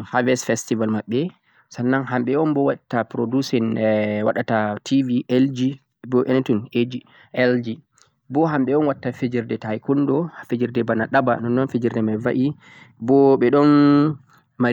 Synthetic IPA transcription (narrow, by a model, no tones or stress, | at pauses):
havɛsfɛstivalmaɓːɛ | sanːaŋɦamɓɛɔnbɔwaɗtːapɾodusɔnwa̰ɗatatʰiviʔɛld͡ʒi | bɔʔɛntɔned͡ʒi | ɛld͡ʒi | bɔɦamɓɛɔnwatːafed͡ʒiɾdɛtajkɔndɔfed͡ʒiɾdɛbanaɗaba̰nɔnːɔnfed͡ʒiɾdɛmajvaʔi | bɔɓɛɗɔn | ma